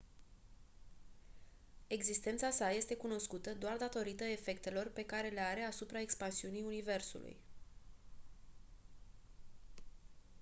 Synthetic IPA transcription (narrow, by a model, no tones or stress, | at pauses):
e̞ɡzist̪e̞nt̪sasaje̞st̪e̞kuno̞skut̪əd̪oard̪at̪o̞ɾit̪əe̞fe̞kt̪e̞lo̞rpe̞kaɾe̞leaɾe̞asupɾae̞kspansiunijunive̞rsṵlṵj